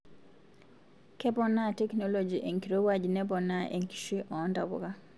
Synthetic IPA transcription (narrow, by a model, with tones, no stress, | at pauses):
kɛ˦pɔ˦na˦tɛ˦kno˦lo˨d͡ʒi˨ʔe˨ŋki˨ɾo˦wa˦d͡ʒnɛ˦pɔ˨na˦ʔḛ˨ŋki̥˨ʃi˦ʔɔ˨˦nda˨bɔ̰˦ka˦